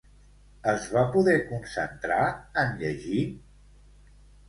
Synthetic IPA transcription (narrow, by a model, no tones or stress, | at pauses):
əzβapuðɛkunsə̰nt̪ɾaənʎəʒi